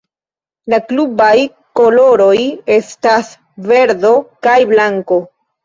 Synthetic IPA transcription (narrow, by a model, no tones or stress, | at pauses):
laklubaj | ko̞lo̞ɾo̞je̞stas | ve̞ɾdo̞kajblaŋko̞